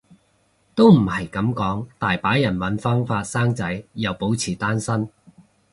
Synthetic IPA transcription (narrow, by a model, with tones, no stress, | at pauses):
t̪o˥wm̩˨˩hɐ˨˩jkɐ˨˥mkɔː˨˥ŋt̪aː˨jpaː˨˥jɐ˨˩nwɐ˨˥nfɔː˥ŋfaː˧t̚saː˥ŋt͡sɐ˨˥jːɐ˨˩wpo˨˥wt͡sʰiː˨˩t̪aː˥nsɐ˥n